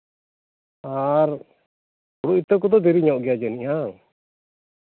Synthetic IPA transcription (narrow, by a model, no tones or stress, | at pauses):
aɾ | uɽuʔit̪əkɔd̪ɔd̪ɛɾiɲaʔɡɛjad͡ʒɛnijaŋ